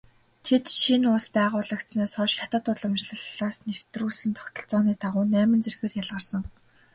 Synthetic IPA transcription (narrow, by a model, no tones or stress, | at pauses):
t̪ʰet̪ʃinʊspæːʁʊːɮə̆kt̪smeːsχɔʃxʲat̪ə̆t̪ʊɮə̆mt͡ɕɮə̆ɮaːsnew̥t̪ruːsiːnt̪ʰɔ̥kt̪ʰɞ̆ɬt͡sɔːniːt̪ʰaʁʊːnæːmə̆nt͡serɣeːrjaɮʁə̆rsə̆ŋ